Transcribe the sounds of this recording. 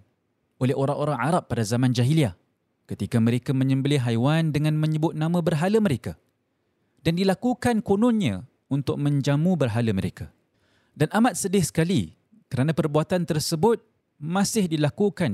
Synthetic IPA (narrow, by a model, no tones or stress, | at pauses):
olɛɦoɾaŋoɾaŋaɾapːadazamãnd͡ʒaɦilia | kət̪ikamə̃ɾekamə̃ɲə̃mbəlɪɦajwandəŋãnmə̃ɲəbʊt̪̚nãmãbərɦaləməɾeka | dandilakukankonɔ̃nɲã | unt̪ʊk̚mə̃ɲd͡ʒamũbərɦalaməɾeka | danʔamat̪̚sədɪhsə̥kali | kəɾanãpərbuat̪ant̪ərsəbʊt̪̚ | mãsɪhdilakukan